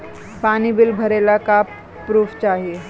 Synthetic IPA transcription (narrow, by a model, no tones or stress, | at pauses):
paːnibɪlbʱɐɾeːlaka | pɾuːfʰt͡ʃaːɦie